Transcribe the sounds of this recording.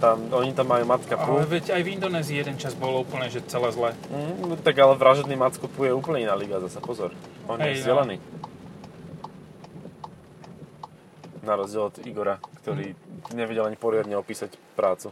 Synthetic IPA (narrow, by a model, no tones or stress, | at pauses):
t̪amɔɲit̪amːajuːmat͡s̪kapuʋɛɟajvind̪ɔnɛːziːjɛd̪ɛnt͡ʃazbɔlɔuːpl̩nɛʒɛt͡sɛlɛzlɛt̪aɡalɛʋɾaʒɔd̪niːmat͡skupujɛuːpl̩ɲɛinaːliɡazasapɔzɔɾɔnɛjɛzɛlɛniː | naɾɔzɟɪɛlɔd̪iɡɔɾakt̪ɔɾiːɲɛʋɛɟɛlaɲipɔɾɪad̪ɲɛɔpiːsacpɾaːt͡su